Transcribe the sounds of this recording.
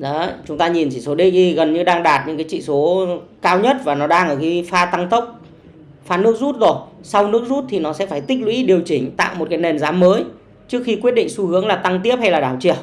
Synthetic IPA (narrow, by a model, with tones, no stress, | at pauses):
ɔ˨˦t͡ɕʊ˨˦ŋ͡mt̪aː˧ɲi˨˩nt͡ɕḭ˧˩so˨˦ɗi˧˥ɣi˧ɣə˨˩nɲɨ˧ɗaː˧ŋɗaː˨˩t̚ɲɨ̰˧˥ŋkaː˨˦t͡ɕḭ˧˨so˨˦kaː˧wɲə˦˥t̚vaː˨˩nɔ˨˦ɗaː˧ŋʔəː˧˩ki˨˦faː˧t̪a˧ŋt̪ə˦˥wk͡p̚ | faː˧nɨ˦˥ək̚zu˦˥t̚zo˨˩jsa˧wnɨ˦˥ək̚zu˦˥t̚t̪ʰi˨˩nɔ˨˦sɛ̰˧˥faː˧˩jt̪ï˦˥k̚lwḭ˧˦˥ɗi˨˩əwt͡ɕï˧˩ŋ̟t̪a̰ː˧˨wmo˨˩kaː˨˦jne˨˩nzaː˨˦mːəː˨˦j | t͡ɕɨ˦˥ək̚xi˧kwi˦˥ət̚ɗḭ˧˨ŋ̟su˧hɨ˨˦əŋlaː˨˩t̪a˧ŋt̪̬i˦˥əp̚ha˧jlaː˨˩ɗaː˧˩wt͡ɕi˧˩əw̚